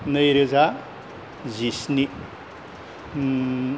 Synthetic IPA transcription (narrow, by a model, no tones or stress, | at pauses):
nɐjɾɯza | zisni